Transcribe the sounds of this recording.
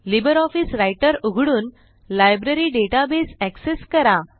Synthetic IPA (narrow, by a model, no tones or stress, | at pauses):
libəɾɔfiːsɾajʈəɾuɡʱɽuːn | lajbɾəɾiːɖeʈabesækseskəɾa